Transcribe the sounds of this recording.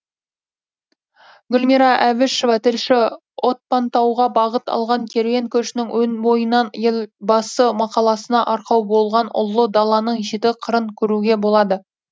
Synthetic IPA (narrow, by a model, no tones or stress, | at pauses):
ɡʲʊlʲmiɾɑʔævɪʃovɑt̪ʰɪlʃɪ | wʔo̞t̪̚pɑnt̪ɑwʁɑbɑʁət̪ɑ̰lˠʁɑŋkʲʰe̞ɾveŋkʲʰɵʃɪnɪŋwɵnbo̞jənɑnjelbɑsəmɑqɑlˠɑsənɑʔɑɾqɑwbo̞lˠʁɑnʊ̰lˠːəd̪ɑlˠɑnəɴʒet̪ɪqʰəɾəɴkʲʰɵɾuɡʲe̞bolˠɑd̪ə